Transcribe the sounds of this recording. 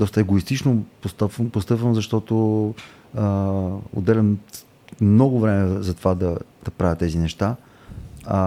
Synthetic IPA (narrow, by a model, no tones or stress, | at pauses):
d̪ɔst̪əɛɡoist̪it͡ʃnopost̪apvmpost̪ɤpvəmzɐʃt̪ɔt̪o | o̰d̪ːɛlʲəm | nɔɡʊvɾɛmɛzɐt̪ovad̪ɐd̪̥ɐpɾavʲjət̪ːɛzinɛʃt̪a